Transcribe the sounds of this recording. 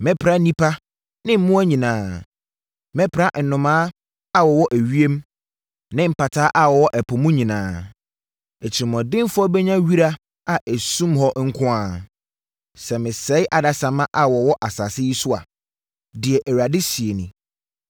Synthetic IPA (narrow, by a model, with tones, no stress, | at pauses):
mɛ˦pʰɾa˦nĩ˦pʰa˦ | nɪ̃˦m̩˦mũ˦æ˦ɲĩ˨nãː˨˦ | mɛ˦pʰɾa˦ʔn̩˨nʊ̃˨mãː˦ | a˦wɔ˨wɔ˦ʔæ˨ɥi˦e˦m˦ | nɪ̃˦m̩˨pa˨tʰaː˦ʔa˨wɔ˨wɔ˦ʔɛ˨pʰʊ˨mũ˦ɲĩ˨nã̰ː˨ | ɛ˨t͡ɕʰɪ˨ɾi˨mɔ̃˨dɪ̃˦mfʊ˦ɔ˦bɛ˦ɲã˦ɥi˦ɾa˦ | a˨ʔæ˨sũ˦mɦɔ˦ŋ̩˦kʰʊ̃˦a˨ | sɛ˨mɪ̃˨sɛ˦ɪ˦ʔa˨da˨sã˨mã˦ʔa˨wɔ˨wɔ˦ʔa˨sa˨sɪ˦ji˦sʊ˦a̰˨ | dɪ˨ɛ˨ʔæ˨ɥa˨dɪ˦si˨e˨nĩ˨